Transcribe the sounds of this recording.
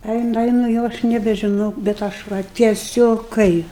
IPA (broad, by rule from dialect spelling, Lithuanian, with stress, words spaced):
ˈɛɪnʊ ˈɛɪnʊ ˈjɛʊ ɐʃ nʲɛbʲɛʒʲɪˈnɐʊ bʲɛt ˈɐʃ ʋɐ tʲiɛˈsʲoːk ˈkɐɪ